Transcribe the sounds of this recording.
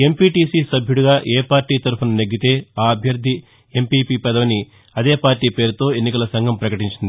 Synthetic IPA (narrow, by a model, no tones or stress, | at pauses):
e̞mpiːʈiːsiːsɐbʱjuɽuɡaːʔeːpaːɾʈiːt̪ɐɾupunɐneɡːit̪e̞ːaːɐbʱjɐɾd̪ʱi | e̞mpiːpiːpɐd̪ɐʋɐni | ɐd̪e̞ːpaːɾʈiːpe̞ːɾut̪o̞ːe̞nːikɐlɐsɐŋɡʱɐmpɾɐkɐʈiɲt͡ʃind̪i